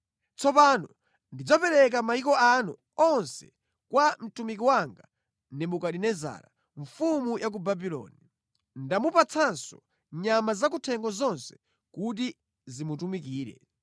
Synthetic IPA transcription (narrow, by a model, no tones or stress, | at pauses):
t͡sɔpanɔ | ndid͡zɔpɛɾɛk̬amaikɔanṵ | ɔnsɛ̥ | kwam̩tumik̬iwaŋɡa | nɛmukaɗinɛza̰ɾa̰ | ɱfumujak̬ubabilɔ̰ːni | ndamupat͡sʰansɔ | ɲamazak̬utʰɛŋɡɔzɔnsɛ̥ | kut̬i | zimutumikiːɾɛ̰